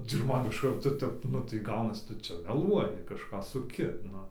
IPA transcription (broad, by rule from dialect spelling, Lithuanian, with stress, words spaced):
t͡sʲɪk ˈmɐn ɪʃ ˈkɐrtoː ˈtʲɛp ˈnʊ tɐɪ ˈɡɐʊnɐs ˈtʊ ˈt͡ʃʲɛ mʲɛˈlˠuɔjɪ kɐʃˈkɑː sʊˈkʲɪ ˈnʊ